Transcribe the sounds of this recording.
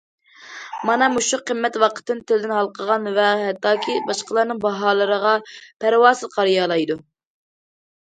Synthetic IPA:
mɑnɑmuʃuqʰəmːɛt̪wɑqʰə̥t̪ːɨnt̪ʰɪlɪd̪ɪnɦɑlˠqʰəʁɑnvɛɦɛt̪ʰːɑːkʲʰibɑʃqəlˠɑɾnɨŋbɑɦɑːlˠɨɾəʁɑpʰæɾwɑːsɨlqʰɑɾjɑːlˠɑjd̪u

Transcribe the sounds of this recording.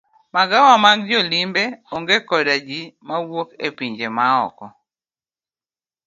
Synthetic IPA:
maɡawamaɡd͡ʒolimbeoŋɡekɔdad͡ʒimawokepiɲd͡ʒemaɔ̰kɔ

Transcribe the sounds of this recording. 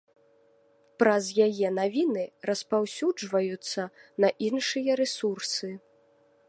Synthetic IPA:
pɾɐzjajɛnavʲinɨrɐspawsʲud͡ʐvɐjut̪sːɐnɐʔinʂɨjɐɾɛsursɨ

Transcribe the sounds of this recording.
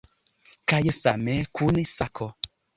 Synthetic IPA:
kajəsamɛkʰunesakʰɔ

